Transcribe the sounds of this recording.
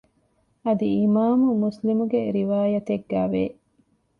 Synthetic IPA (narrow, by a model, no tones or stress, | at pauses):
ɐd̪iimaːmumuslimuɡeɾiʋaːjɐt̪eɡːæːʋe